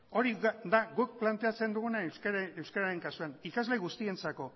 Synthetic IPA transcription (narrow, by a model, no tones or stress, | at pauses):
o̞ɾid̪aɣuk̚plant̪e̞at͡se̞nd̪uɣunaewskaɾaɾe̞ŋkasuanikazle̞ɣust̪ie̞nt͡sako̞